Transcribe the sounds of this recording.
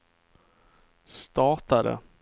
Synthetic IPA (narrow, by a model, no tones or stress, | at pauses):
st̪ɑːt̪aɾə̰